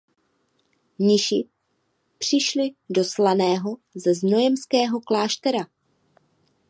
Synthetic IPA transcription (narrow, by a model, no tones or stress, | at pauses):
ɲɪʃɪ | pr̥ɪʃlɪdo̞slanɛːɦo̞zɛzno̞jɛmskɛːɦo̞klaːʃt̪ɛɾa